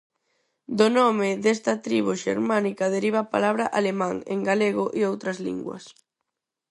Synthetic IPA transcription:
d̪onɔmɪðest̪ɐt̪ɾiβ̞uʃḛɾmanikɐðeɾiβ̞apa̰laβɾɐʔalemãŋeŋɡaleɣʊʔeowt̪ɾɐzlḭŋɡwɐ̰s

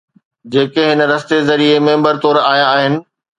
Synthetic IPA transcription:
d͡ʑeːkeɦɪnə̆ɾɐst̪ezɐɾiemẽːmbəɾt̪ɔːɾaːjaːɦɪnɪ̆

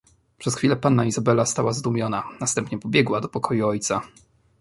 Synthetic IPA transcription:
pʂɛsxfʲilɛpanːaizabɛlast̪awazd̪umʲjɔnanast̪ɛmpɲɛpɔbʲjɛɡwad̪ɔpɔkʰɔjuɔjt̪sa

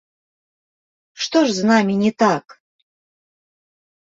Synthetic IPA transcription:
ʂt̪oʐznamʲinʲɪt̪ak

